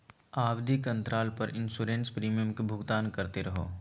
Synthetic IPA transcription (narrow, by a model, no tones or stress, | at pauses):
aːbd̪ʱikɐ̃nt̪ɾaːlpɐɾɪ̃nsuːɾẽːnspɾiːmijəmkebʱʊɡt̪aːnkɐɾt̪eɾɐɦo̰ː